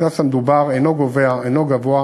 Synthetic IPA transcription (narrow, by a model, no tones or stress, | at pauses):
nasamed̪ubaʁenoɡoveaenoɡavoa